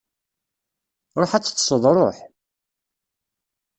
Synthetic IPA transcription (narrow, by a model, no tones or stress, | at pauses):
ɾˤoħat͡sːθːsˤəðˤɾˤoħ